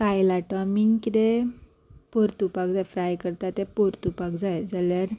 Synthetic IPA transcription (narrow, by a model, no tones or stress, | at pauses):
kajlaʈamiŋɡkit̪e | poɾt̪upakd͡zajfɾajkəɾt̪at̪epoɾt̪upakd͡zajd͡zaljaɾ